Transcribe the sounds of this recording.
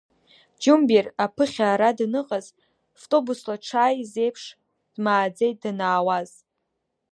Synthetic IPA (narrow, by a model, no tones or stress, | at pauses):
d͡ʒumbirapʰɨχʲaːɾadnɨqʼaz | ftʼo̞buslaʈ͡ʂʰaːjze̞jpʰʂ | d̥maːd͡zejt̚danaːwaz̥